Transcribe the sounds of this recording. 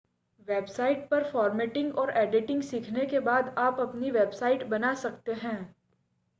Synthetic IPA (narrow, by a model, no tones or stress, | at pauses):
ʋeːbsaːɪʈ̚pɐɾfɔːɾmɛːʈɪ̃ŋɡɔːɾɛːɖɪʈɪ̃ŋɡsiːkʰnekebaːd̪aːpɐpniʋeːbsaːɪʈbɐnasɐkt̪eɦɛ̃ː